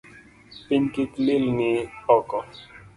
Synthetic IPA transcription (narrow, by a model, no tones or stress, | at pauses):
piɲkitlilnihɔkɔ